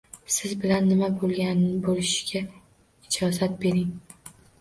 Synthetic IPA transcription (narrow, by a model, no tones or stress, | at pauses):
sɪzbɪlanːɪmabolˠɡʲanbolɪʃɪ̥ɡʲa | ɪd͡ʒɒzat̪̚be̞ɾɪŋ